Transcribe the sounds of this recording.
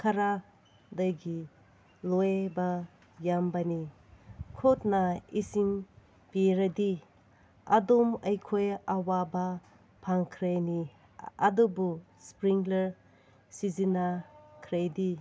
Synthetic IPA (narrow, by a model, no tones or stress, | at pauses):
kʰaɾa | dajɡi | lojba | jambani | kʰot̚naisiŋ | piɾadi | adumɐjkʰojawaba | pʰaŋkʰɾajni | a̰dubu | spɾiŋɡleɾ | sizinakʰɾajdi